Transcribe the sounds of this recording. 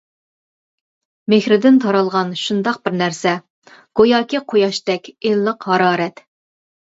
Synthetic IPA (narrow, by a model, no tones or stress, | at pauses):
mexɾɪd̪ɪnt̪ʰɑɾɑlˠʁɑnʃund̪ɑq̚bɪɾnæɾsɛ | ɡ̥ojɑːkʲiqʰojɑʃt̪ɛkʲelːəqɦɑɾɑːɾɛt̪